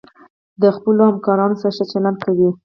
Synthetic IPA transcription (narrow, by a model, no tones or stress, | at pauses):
d̪əxpəlohamkɑɾɑnosaɾaʃət͡ʃaland̪̚kawi